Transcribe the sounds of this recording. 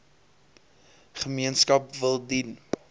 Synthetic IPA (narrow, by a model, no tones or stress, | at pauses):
χəmiənskɐpvəlˠdin